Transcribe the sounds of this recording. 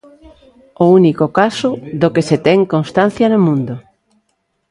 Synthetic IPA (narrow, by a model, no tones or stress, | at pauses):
ounikokasʊðokeset̪ɛŋkonst̪an̟θjɐnomũnd̪ʊ